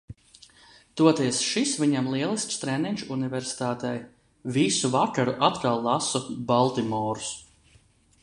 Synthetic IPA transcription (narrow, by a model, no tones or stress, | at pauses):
t̪uɔt̪iɛsʃisvʲiɲamlˠiɛlˠist̪st̪ɾɛniɲʲʃuuniveɾsi̥t̪aːt̪ɛj | visuvakaɾuʔat̪kalˠːasɔbalˠt̪imɔːɾus